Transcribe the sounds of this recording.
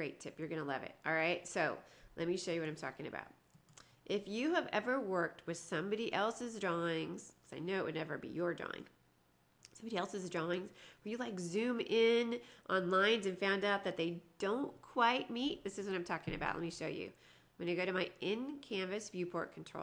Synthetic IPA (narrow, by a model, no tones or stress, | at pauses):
ɹeɪtʰɪpjə˞ɡʌnəlɛ̰vɨ̰t̚ɔlˠɹaɪt̚soʊlɛ̰t̚miʃoʊjɨwʌɾãɪ̃mtʰɔ̰kɪ̃ŋɨ̰ba̰ʊt̚ | ʔɪfjɨːvɛvə˞wɜ˞k̚t̚wɨð̥sʌ̃mbɑɾiʔɛlˠsɨzdɹɔɪ̃ŋz̥kʰʌ̥zaɪnoʊɨʔ̚wɨ̰dⁿnɛvə̰˞bḭjə˞dɹɔ̰ɪ̰̃ŋ | sʌ̃mbɑɾiɛlˠsɨzdɹɔɪ̃ŋz̥wə˞jɨlaɪkzʉ̃mɪ̃nʔɑ̃nlãɪ̃nzɨ̃nfãʊ̃ndaʊt̪̚ðɨt̪̚ðeɪd̥õʊ̃nkʰw̥aɪt̚mit̪̚ðɪsɨzwʌɾãɪ̃mtʰɔkɪ̃ŋɨ̰baʊʔlɛt̚miʃoʊjʉ̰ | wɨ̃naɪɡoʊɾɨmaɪʔɪ̃nkʰæ̃ɱvɨsvjʉpʰɔɹt̚kʰn̩tʰɹ̥o̰ʊ